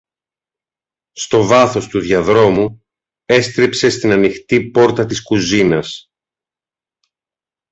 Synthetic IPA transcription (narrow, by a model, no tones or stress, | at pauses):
st̪o̞vɐθo̞st̪uðʝɐðɾo̞mu | e̞st̪ɾipse̞st̪inɐnixt̪ipo̞ɾt̪ɐt̪iskuzinɐs